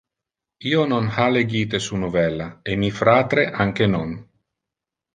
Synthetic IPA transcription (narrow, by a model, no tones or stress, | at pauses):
iːononhaleɡiːt̪̬esunovɛlːaemifɾaːt̪ɾeʔaŋk̟enon